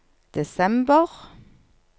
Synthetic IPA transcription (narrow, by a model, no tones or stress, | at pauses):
d̪̥ɛsɛmbəʁ